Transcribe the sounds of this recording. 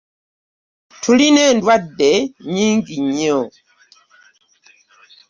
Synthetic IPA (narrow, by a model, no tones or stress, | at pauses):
tʰulinɛndwabɛɲiŋɡiɲɔ